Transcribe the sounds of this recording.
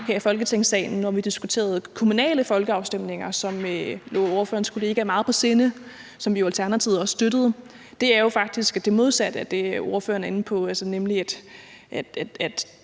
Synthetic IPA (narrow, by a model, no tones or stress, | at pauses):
heɐ̰ifɒ̽lɡ̥ət͡sʰeŋsɛ̰ɪn̩ːɒʋid̥isɡ̥ut͡sʰe̝̰ːɐð̞ˠkʰo̝munɛ̰ːləfɒ̽lɡ̥əɑ̈ʊsd̥em̰ne̝ŋɐsɒ̽mølo̰ːo̝ɐføːɐnskʰole̝ːɡ̥əæɐmɑ̈ːð̞̩ˠpʰɒ̽se̝ːnə | sɒ̽mʋijo̝ælt͡sʰæɐnæt͡sʰiʊ̰ɐɒssd̥øɾ̥əð̞̩ˠ | d̥e̝æɐjo̝fɑ̈ɡ̥̚d̥isɡ̥æd̥e̝mo̝ð̞ˠsæd̥əæd̥e̝o̝ɐfø̰ːɐnɐenn̩pʰɒ̽ælsənemliæd̥ | ʔæd̥